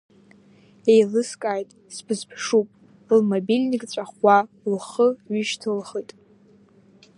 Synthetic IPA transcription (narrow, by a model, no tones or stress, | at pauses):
ejlɨskʼaːjtʼ | sbʰɨzpʰʂupʼ | lmobilʲnʲikʼt͡sʷʼaχʷa | lχəɥʏʃtʰɨlχətʼ